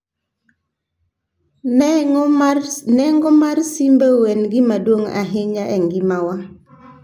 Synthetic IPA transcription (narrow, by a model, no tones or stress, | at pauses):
nɛŋɡɔmaɾsimbəwenɡimadwoŋa̰ɦiɲaʔeŋɡimawa